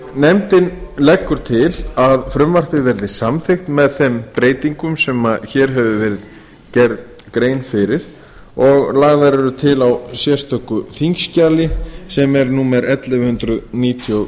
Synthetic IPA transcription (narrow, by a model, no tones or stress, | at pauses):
nɛmt̪ɪnlɛkːʏɾ̥t̪ʰɪlaðfɾʏmvar̥t̪ɪvɛɾðɪsamθɪxt̪mɛðθɛmpɾeːjt̪iŋkʏmsɛmaçɛɾɦɛvʏvɛːɾɪð | cɛɾð | kɾeːjnfɪɾɪɾ̥ | ɔɣlaːɣðaɾɛɾʏt̪ʰɪlawsjɛst̪ʰœkːʏθiŋkscaːlɪsɛmɛɾnuːmɛɾɛt̪lɛvhʏnt̪ɾʏðniːt̪ʰjo